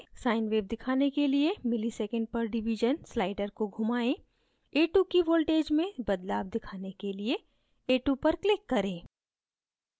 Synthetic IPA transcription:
saːɪnʋeːb̚d̪ɪkʰaːnekeliemɪlisɛːkə̃ɳɖ̚pɐɾɖɪʋiʒənslaːɪɖəɾkoɡʱʊmaːẽ | eːʈukiʋoːlʈeːd͡ʒmẽbɐd̪laːʋd̪ɪkʰaːnekelie | eːʈupɐɾklɪkːɐɾẽː

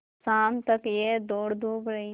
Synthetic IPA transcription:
saːmt̪ɐkjed̪oːɽd̪uːbɾɐɦi

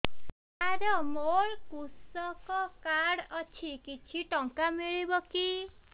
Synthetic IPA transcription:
aɾɔmoɭkusɔkɔkaɽɔt͡ʃʰikit͡ʃʰiʈɔŋkamiɭibɔki

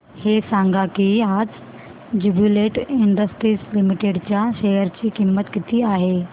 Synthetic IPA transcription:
hesãŋɡʱakiaːd͡z | d͡ʑubjuleʈɪɳɖəsʈɾiːslimiʈeɖt͡ɕjaʃɛɦəɾt͡ɕikimːət̪kit̪ʰiaːɦe

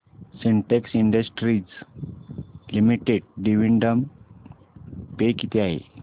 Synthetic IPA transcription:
seɳʈeksiɳɖəsʈɾid͡z | limiʈeɖ̚ɖiʋiɳɖəm | pekit̪ʰeaɦḛ

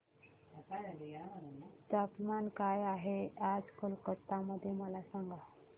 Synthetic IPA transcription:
aalijaməɾənat̪əpmankajaɦead͡zkəlkət̪ːaməd̪ʱːjeməlasãŋɡa

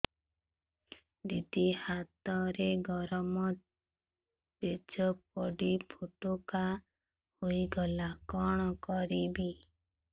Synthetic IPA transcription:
d̪id̪ihat̪ɔɾeɡɔɾɔmɔ | ped͡ʒɔp̚ɔɽipʰoʈoka | hoiɡɔlakɔɽ̃ɔkɔɾibi

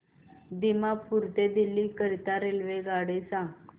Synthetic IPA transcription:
d̪imapuɾt̪ed̪ilːikəɾit̪aɾelʋeɡaɽesãɡ

